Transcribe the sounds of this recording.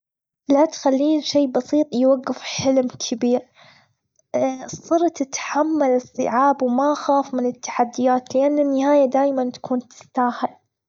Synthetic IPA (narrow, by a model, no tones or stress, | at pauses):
lat̪xalːiːnʃeːbɑsiːt̪ˤjwaɡːɪfħɪlmkʰɪbiːɾ | sˤːɨɾt̪ɪt̪ħamːalɨsˤːɨ̰ʕaːbwmaʔxaːfmɪnɪt̪ːḁħad̪ːɪjaːt̪lɪʔanːɪnːɪhaːjad̪aːjmant̪ḁkuːnt̪ʰɪ̥st̪aːhal